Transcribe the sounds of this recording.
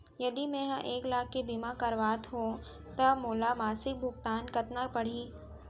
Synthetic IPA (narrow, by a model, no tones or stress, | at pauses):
jɐd̪imẽːɦãʔeːklaːkːebiːmakɐɾʋaːt̪ɦõ | t̪ɐmoːlamaːsɪk̚bʱʊɡt̪aːnkɐt̪napɐɽ̤iː